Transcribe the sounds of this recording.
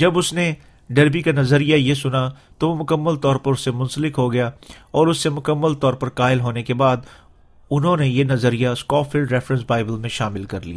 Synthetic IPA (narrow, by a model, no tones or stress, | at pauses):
d͡ʒɐbʊsne | ɖɐɾbikanɐzəɾijajesʊnat̪oʋomʊkəmːəlt̪ɔːɾpɐɾʊsːemʊ̃nsəlɪkɦoɡɐjaɔːɾʊsːemʊkəmːəlt̪ɔːɾpɐɾkaːɪlɦoːnekebaːd̪ | ʊnɦõnejenɐzəɾijaskɔːfɪlɖɾɛːfɾə̃nsbaːɪbəlmẽʃaːmɪlkɐɾlḭja̰ː